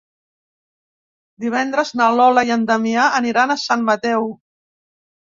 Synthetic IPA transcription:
d̪iβ̞ɛnd̪ɾəznalɔləjənd̪əmiaʔəniɾanəsammət̪ɛw

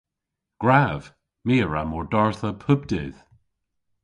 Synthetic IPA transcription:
ɡ̥ɹav̥ | miːəɹa̰mɔɹdɔɹθəpʰʊb̚d̪ḛð̥

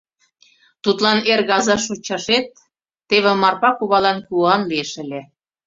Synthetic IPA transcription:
t̪ut̪lɑnerɣɑzɑʃot͡ɕɑʃet̪ː | eβĕmɑrpɑkuβɑlɑnkuɑnlieʃə̆lʲĕ

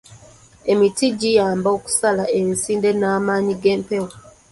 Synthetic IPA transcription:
e̞mitiɟijaːmbo̞ku̥salaʔensiːnde̞naːmaːɲiɡe̞ːmpewo

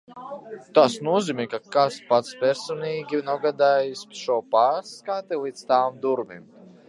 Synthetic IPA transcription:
t̪asnuɔziːmʲɛkakaspat̪spʲɛɾsɔniːɡʲinɔɡad̪aːjisʲʃuɔpaːɾskat̪ɛlˠiːt̪st̪aːmd̪uɾmim

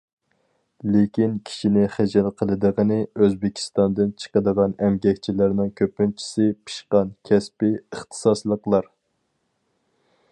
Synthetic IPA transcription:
lekʲinkʲʰi̥ʃinɪχæd͡ʒɛlqʰəlˠɨd̪əʁənɪøzbɪkʲʰi̥st̪ɑnd̪ɨnt͡ʃʰə̥qəd̪əʁɑnɛmɡʲɛkʲt͡ʃʰilæɾnɪŋkʲʰøpːynt͡ʃʰi̥sɪpʰi̥ʃqɑnkʲʰɛspɪəχt̪ʰɨ̥sɑslˠəqlˠɑɾ

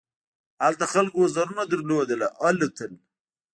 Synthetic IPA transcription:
halt̪axalkwozaɾunad̪əɾlod̪əlaʔalət̪ʰəl

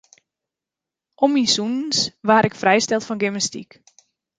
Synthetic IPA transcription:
ʔɔmisunnsʋaːɾɪkfrɛjstɛlˠtfɔnɡɪmnəstḭk

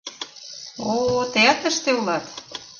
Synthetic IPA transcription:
ot̪eɑt̪ə̆ʃt̪eulɑt̪

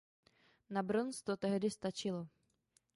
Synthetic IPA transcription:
nabɾɔnst̪ɔt̪ɛɦd̪ɪst̪at͡ʃɪlɔ

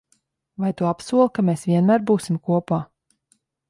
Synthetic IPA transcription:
vajt̪uapsuɔlˠkameːsvʲiɛnmæːɾbuːsimkuɔpaː

